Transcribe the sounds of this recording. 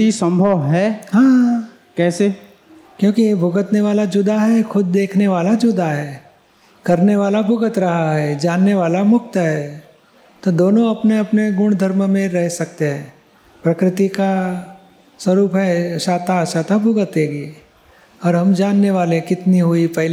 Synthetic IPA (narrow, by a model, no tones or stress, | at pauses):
isɐ̃mbʱəʋɦɛːɦãː | kɛːse | kjõːkiebʱʊɡət̪neʋaːlad͡ʒʊd̪ʱaɦɛxʊd̪̚ːeːkʰneʋaːlad͡ʒʊd̪ʱaɦɛː | kɐɾneʋaːlabʱʊɡət̪ɾɐɦaɦɛd͡ʒaːnːeʋaːlamʊk̚t̪ɦɛː | t̪od̪oːnõɐpneɐpneɡʊɽ̃d̪ʱɐɾmmẽɾɛɦsɐk̚t̪eɦɛ̃ː | pɾɐkɾɪt̪ika | swɐɾuːpɦɛʃaːt̪aʃaːt̪abʱʊɡət̪ẽːɡiː | ɔːɾɦɐmd͡ʒaːnːeʋaːlẽkɪt̪niɦʊipɛɦl